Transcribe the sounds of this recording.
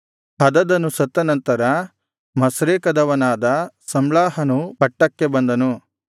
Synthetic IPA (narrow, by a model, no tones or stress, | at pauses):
hɐd̪ɐd̪ɐnusɐt̪ːɐnɐnt̪ɐɾɐ | mɐsɾeːkɐd̪ɐʋɐnaːd̪ɐsɐmlaːɦɐnupɐʈːɐkːebɐnd̪ɐnu